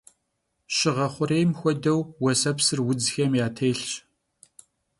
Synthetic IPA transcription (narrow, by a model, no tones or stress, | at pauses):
ɕɪʁɐχʷʊɾeːjmxʷɔdɐwwɔsɐpsɨrwʊd͡zxɐmjaːtʰeːɬt͡ʃ